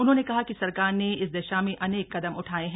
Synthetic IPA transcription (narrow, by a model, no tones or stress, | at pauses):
ʊnɦõːnekɐɦakisɐɾkaːɾneɪs̬d̪ɛːʃamẽʔɐneːkːɐd̪əmʊʈʰaːeɦɛ̃ː